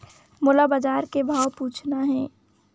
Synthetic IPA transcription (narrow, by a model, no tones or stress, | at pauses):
mʊlabad͡ʒaːɾkebʱaːwpuːt͡ʃʰnaɦɛ̃ː